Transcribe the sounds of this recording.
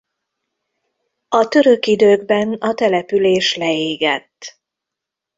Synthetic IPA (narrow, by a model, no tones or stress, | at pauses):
ɒt̪ø̞ɾø̞kid̪øːɡbɛnɒt̪ɛlɛpyleːʃlɛeːɡɛ̰t̪ː